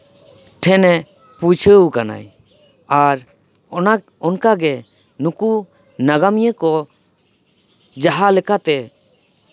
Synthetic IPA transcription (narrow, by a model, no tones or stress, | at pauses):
ʈʰɛnɛ | put͡ʃʰəwkana̰j | aɾ | ɔnak | ɔnkaɡɛ | nuku | naɡamijəkɔ | d͡ʒaɦalɛkat̪ɛ